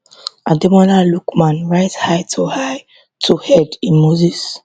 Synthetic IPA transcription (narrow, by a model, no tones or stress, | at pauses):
ãdɛmɔnalukmãnɹaɪtshaɪtʰohaɪ | tʰuhɛdĩnmozis